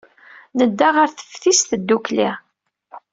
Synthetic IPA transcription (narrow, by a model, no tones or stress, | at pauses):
nəd̪ːaʁəɾθə̥fθist̪əd̪ːukliʁ